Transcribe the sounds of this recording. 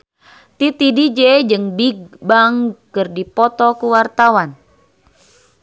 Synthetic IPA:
t̪it̪idid͡ʒɛd͡ʒɨŋbiɡbaŋkɨrdipɔt̪ɔkuwart̪awan

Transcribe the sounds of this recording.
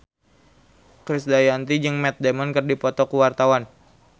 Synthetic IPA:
kɾisdajant̪id͡ʒɨŋmɛt̪̚demɔnkɨrdipɔt̪ɔkuwart̪awan

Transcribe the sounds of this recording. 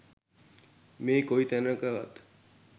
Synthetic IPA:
meːkoit̪ɛnəkəʋa̰t̪

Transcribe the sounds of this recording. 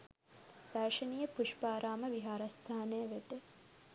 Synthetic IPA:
d̪̥aːʃɐnijəpuʃpaːɾʔaːməʋiɦaːɾɐst̪ʰaːnejʋed̪e

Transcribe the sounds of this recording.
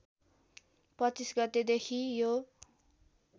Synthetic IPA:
pʌt͡sisɡʌt̪ed̪ekʰijo

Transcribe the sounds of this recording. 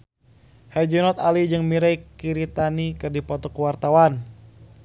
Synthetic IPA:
had͡ʒunɔt̪alid͡ʒɨŋmiɾajkiɾit̪anikɨrdipɔt̪ɔkuwart̪awan

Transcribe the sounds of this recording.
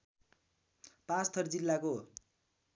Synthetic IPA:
pãt͡st̪ʰʌrd͡zilːako

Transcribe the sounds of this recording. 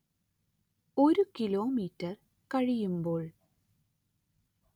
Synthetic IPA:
oɾukiloːmiːtːɐr | kɐɻijumboːɭ

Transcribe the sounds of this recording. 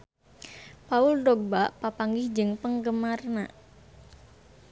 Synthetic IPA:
paʊlɖɔɡ̚baʔpapaŋɡɪhd͡ʒɨŋpəŋɡəmarna

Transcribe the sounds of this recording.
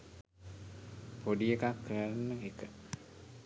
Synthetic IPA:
poɖiekakːəɾanːəekə

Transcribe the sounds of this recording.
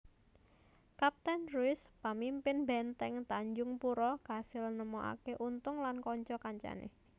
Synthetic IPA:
kap̚t̪ɛnruɪspamimpɪnbɛnt̪ɛŋt̪aɲd͡ʒʊŋpuɾɔka̤sɪlnəmɔʔa̰keʔunt̪ʊŋlankɔɲt͡ʃɔkaɲt͡ʃa̰nḛ

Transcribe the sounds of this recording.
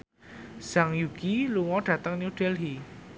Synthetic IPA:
z̥aŋjuɡ̥iluŋɔɖ̥ä̤t̪əŋnjud̥ɛlɦi

